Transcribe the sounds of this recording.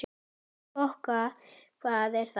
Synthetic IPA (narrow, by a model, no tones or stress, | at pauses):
ɔhkafaːðɛɾ̥θ